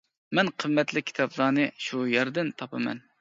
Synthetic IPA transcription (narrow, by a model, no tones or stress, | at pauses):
mɛnqʰəmːɛt̪lɪkʲʰi̥t̪ʰɑblˠɑːnɨʃujɛɾd̪ɪnt̪ʰɑpʰɨmɛ̰n